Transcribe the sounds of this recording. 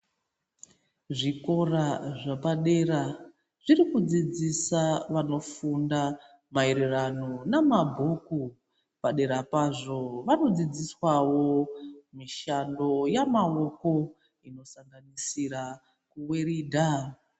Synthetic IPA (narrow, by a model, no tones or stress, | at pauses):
ʐiko̞raʐapaɗe̞ɾa | ʐirikud͡zid͡zisaʋano̞funda | maeɾirano̞namabʱoku | paɗe̞ɾapaʐo̞ʋano̞d͡zid͡ziswawo̞miʃando̞jamao̞ko̞ | ino̞saŋɡanisiɾa | kuweriːdʱa